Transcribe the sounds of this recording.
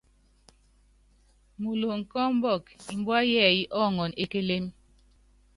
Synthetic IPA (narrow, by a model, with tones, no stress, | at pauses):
mu˨lo˨ŋ̩˨kɔ˦m̩˦bɔ˦˨ki˨m̩˦bwa˦jɛː˦˨ji˦ʔɔ˦˨ŋɔ˨ne˦ke˦le˦m